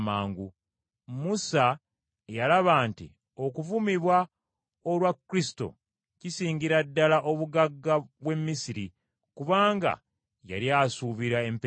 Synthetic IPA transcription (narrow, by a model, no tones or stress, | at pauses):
maːŋɡu | musa | jalaβaːntḭ | o̞kuvumiβwa | olwakːɾisto̞̰ | cisiːɲɟiɾadːalaʔo̞βuɡaɡːaβwe̞mːisiɾi | kuβaːŋɡa̰ | ja̰ɾjaːsuβiɾae̞mp